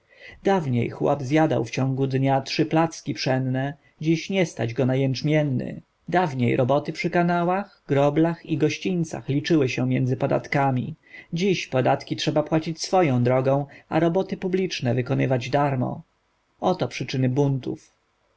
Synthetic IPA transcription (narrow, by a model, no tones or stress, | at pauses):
d̪avɲḛjxwɔ̰bzjad̪a̰wft͡ɕɔ̃ŋɡud̪ɲatʂɘplat̪skʲipʂɛnnɛ | d͡ʑiɕɲɛst̪ad͡ʑɡɔnajɛnt͡ʂmʲjɛnːɘ̰ | d̪avɲejɾɔbɔt̪ɘpʂɘkanawaxɡɾɔblaxiɡɔɕt͡ɕint̪sa̰xlʲit͡ʂɘwɘɕɛmʲjɛnd̪zɘpɔd̪a̰t̪kamʲḭd͡ʑiɕpɔd̪at̪kʲitʂɛbapwat͡ɕit͡ɕsfɔjɔ̃w̃d̪ɾɔɡɔ̃w̃aɾɔbɔt̪ɘpublʲit͡ʂnɛvɘkɔnɘvad͡ʑd̪aɾmɔ̰ | ɔt̪ɔpʂɘt͡ʂɘnɘbunt̪ṵf